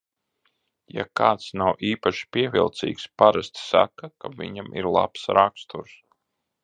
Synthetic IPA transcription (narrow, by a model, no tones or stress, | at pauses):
ja̰kaːt̪snawʔiːpaʃi̥pʲiɛvʲilˠt̪sḭːkspaɾasʲt̪sa̰kakavʲḭɲamʔḭɾlˠa̰psɾakst̪uɾs